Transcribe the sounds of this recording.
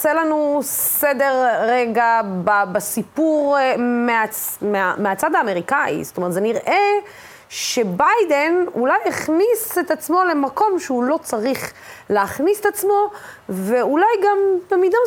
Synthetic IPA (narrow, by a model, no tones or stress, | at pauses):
selanused̪eʁʁeɡababasipuʁmeameameat͡sad̪aːme̞ʁikaḭstomeʁt̪zeniʁʔe̞ | ʃe̞bajd̪e̞nulajeχniset̪at͡smo̞le̞mako̞mʃeulo̞t͡saʁiχ | leaχniset̪at͡smo̞veulajɡamtamid̪a